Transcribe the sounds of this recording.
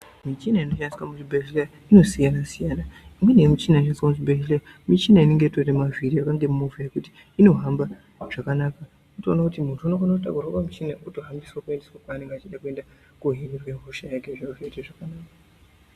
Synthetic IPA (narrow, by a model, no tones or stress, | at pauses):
mit͡ʃinaino̞ʃandiswamutibʱeʒleja | ino̞sijanasijaːnaimwe̞nemit͡ʃinaiʃ̬aniswamuzibeʒleja | mit͡ʃinaine̞ŋɡe̞toremaviɾijakaŋɡe̞mumovajekuti̥ːno̞ɦamba | ʐ̥akanaka | notoːnakutimuntʰuanokanotakurakamit͡ʃinakutoɦambiswakue̞ndeswakaːne̞ŋɡeat͡ʃiɗakue̞nda | kuɦiɾirweɦoʃajakeʐinoveteʐakanaːka